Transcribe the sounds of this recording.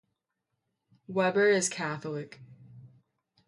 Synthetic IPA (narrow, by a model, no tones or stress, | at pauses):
wɛbə˞ɪz̥kʰæθl̩ˠɪk